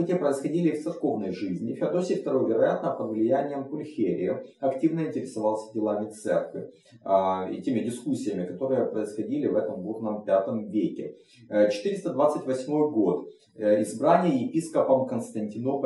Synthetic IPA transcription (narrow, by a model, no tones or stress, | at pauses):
ɨtʲɪjəpɾəɪsxɐdʲilʲɪft̪sɨrko̞vnəjʐɨzʲnʲɪfʲad̪osʲɪxt̪ɐɾɨvʲɪɾɐjat̪nəpəd̪vlʲɪjænʲɪjəmpʊlʲxʲeɾʲɪ̰jɪɐktʲivnəɪnʲtʲɪɾʲɪsɐvɑlˠsʲə̥dʲɪlˠamʲɪt̪sɛ̰rkvʲɪ̰ | ḭtʲemʲɪdʲɪskusʲːɪjəmʲɪkɐt̪o̞ɾɨjəpɾəɪsxɐdʲilʲɪvɛt̪əmɡurnəmpʲat̪əmvʲekʲɪ | t͡ɕɪ̥t̪ɨɾʲɪst̪əd̪vat̪sɨtʲvɐsʲmo̞jɡo̞t̪ | ɪzbɾanʲɪjəjɪpʲiskəpəmkənst̪ənʲtʲɪno̞pə